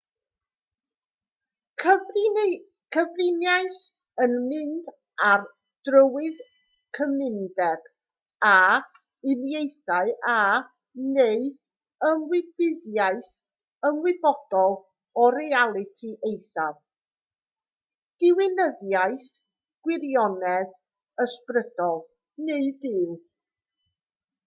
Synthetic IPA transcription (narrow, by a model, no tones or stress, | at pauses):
kʰəvrɪnjajθ | ənmɪnd | ar | d̥rəwɪð | kʰəmɪndɛɡ̥ | a | ɪnjejθaɨʔa | nej | əmwɪbɪðjajθ | əmwɪbɔd̥ɔlˠ | ɔɾɛalˠɪtʰiʔejθað | d̥ɪwɪnəðjajθ | ɡ̥wɪɾjɔnɛð | əsprəd̥ɔlˠ | neɨdɨːn